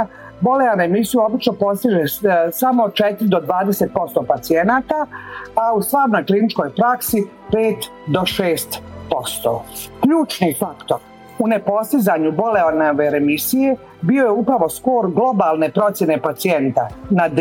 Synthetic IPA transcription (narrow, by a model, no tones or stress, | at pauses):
bo̞leanemisijuo̞bit͡ʃnopo̞st̪iʒesamo̞t͡ʃet̪ɾid̪o̞d̪ʋaːd̪eset̪̚po̞st̪o̞pat̪sie̞naːt̪aː | ust̪ʋaːɾno̞jklinit͡ʃko̞jpɾaksi | peːt̪ | d̪o̞ʃeːst̪po̞st̪o̰ːkʎuːt͡ʃnifakt̪oɾ | une̞po̞st̪izaːɲuboleonaʋeɾemisije̞ | bio̞jeupɾaʋo̞skoːɾɡlo̞baːlˠne̞pɾo̞t̪sje̞ne̞pat̪sie̞nt̪anad̪